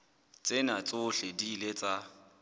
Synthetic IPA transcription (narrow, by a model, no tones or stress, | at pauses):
t͡sʼɪnat͡sʼʊɬedilet͡sʼa